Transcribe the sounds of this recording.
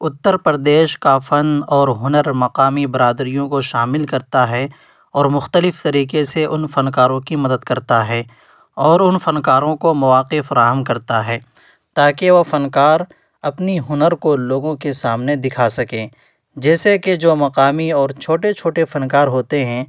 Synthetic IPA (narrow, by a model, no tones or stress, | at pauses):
ʊt̪ːəɾpəɾd̪eːʃkafɐnɔːɾɦʊnəɾmɐqaːmibɐɾaːd̪ɾijõkoʃaːmɪlkɐɾt̪aɦɛ | ɔːɾmʊxt̪əlɪft̪ɐɾiːqeseʔʊnfɐnkaːɾõkimɐd̪əd̪kɐɾt̪aɦɛː | ɔːɾʊnfɐnkaːɾõkomɐʋaːqɪfɐɾaːɦəmkɐɾt̪aɦɛː | t̪aːkeʋofɐnkaːɾ | ɐpniɦʊnəɾkoloːɡõkesaːmned̪ɪkʰasɐkẽː | d͡ʒɛːseked͡ʒoːmɐqaːmiɔːɾt͡ʃʰoːʈet͡ʃʰoːʈefɐnkaːɾɦoːt̪eɦɛ̃ː